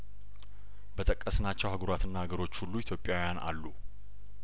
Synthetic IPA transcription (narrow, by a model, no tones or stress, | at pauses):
bət̪ʼəkʼːəsnat͡ʃːɛwhaɡəɾat̪ʰɨnːahaɡəɾo̞t͡ʃːhulːuit̪ʰjo̞pʼjawjana̰lːu